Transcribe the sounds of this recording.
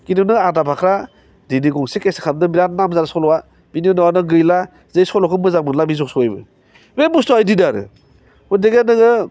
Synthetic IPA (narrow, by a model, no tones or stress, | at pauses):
kinɯnɯadapʰakʰɾa | diniɡɔŋsikesi̥kʰamdɯbiɾannamzaɾasɔlɔwa | bininɔwanɯɡɯjla | zɯjsɔlɔkʰɯnbɯzaŋ̚mɯnlabizɔk̚sɔajbɯ̰ | bebustɔajdinaɾɯ̰ | ɔdeɡenɯɡɯ